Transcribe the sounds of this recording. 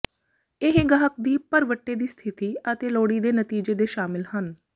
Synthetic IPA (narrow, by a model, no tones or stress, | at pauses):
ɪɦɡəɦək̚d̪iːpəɾʋəʈːeːd̪iːst̪ʰɪt̪iːət̪eːloːɽiːd̪eːnət̪iːd͡ʒeːd̪eːʃaːmɪlhən